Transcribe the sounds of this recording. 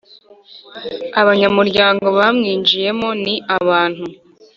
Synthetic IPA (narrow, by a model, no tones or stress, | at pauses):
aβaɲamuɾɟaːŋɡo̞βamŋiːnd͡ʒije̞mo̞niʔaβaːn̥hu